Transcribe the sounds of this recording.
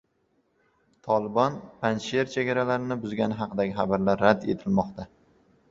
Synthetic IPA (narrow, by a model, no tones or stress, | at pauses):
t̪ʰɒlˠɪbɒnpʰanʃeɾt͡ʃʰeɡʲaɾalaɾɪnɪbʊzɡʲanɪɦɑqʰɨd̪aɡʲɪχabaɾlaɾːad̪e̞̰t̪ʰɪlmɒqt̪ʰa